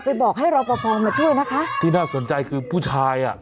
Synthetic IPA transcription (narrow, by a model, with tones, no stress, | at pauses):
pa˧jbɔː˨˩k̚ɦa˥˩jɾa˧wpa˧pʰɔː˧ŋmaː˧t͡ɕʰu˥˩əjna˦˥kʰa˦˥ʔt̪ʰiː˥˩naː˥˩so˩˦nt͡ɕa˧jkʰɯː˧pʰuː˥˩t͡ɕʰaː˧jʔa˨˩ʔ